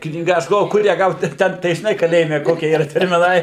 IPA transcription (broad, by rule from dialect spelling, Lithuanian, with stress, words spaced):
knʲiːˈɡɐ ˈɐʃ ɡɐlˠˈʋoːjʊ ˈkʊr jæː ˈɡɐʊt ˈtʲɛn tɐɪ ʒʲɪˈnɐɪ kɐˈlʲeːjɪmʲɛ ˈkoːkʲiɛ iːˈrɐ tʲɛrʲmʲɪˈnɐɪ